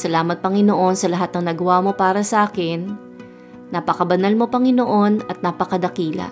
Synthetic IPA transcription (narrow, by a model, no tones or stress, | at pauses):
sɐlaːmɐt̪̚pɐŋɪnoʔo̞nsɐlɐɦat̪nɐŋnɐɡɐwaːmo̞paːɾɐsɐʔaːkɪnː | apɐkɐbɐnɐlmo̞pɐŋɪnoʔo̞nɐt̪̚napɐkɐd̪ɐkiːlɐ̰